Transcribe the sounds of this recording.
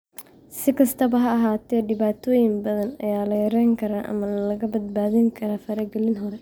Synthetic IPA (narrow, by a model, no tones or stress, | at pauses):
sɪkʰɐst̪ʰɐbɐɦɐːɦaːt̪ʰɛːɖɪβaːt̪ʰɔːjɪmbɐðɐnɐjaːlɐjɐɾɛjŋkʰɐɾaːʔɐ̰mɐlɐɣɐbɐd̪̚baːðɪŋkʰɐɾaːfɐɾɐɡɛlɪnɦɔɾɛ